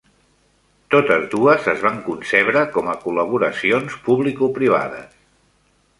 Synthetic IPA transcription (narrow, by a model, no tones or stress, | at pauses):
t̪ot̪əzðuəzəzβaŋkunsɛβɾəkɔməkuləβ̞uɾəsionspuβlikupɾiβ̞a̰ðə̰s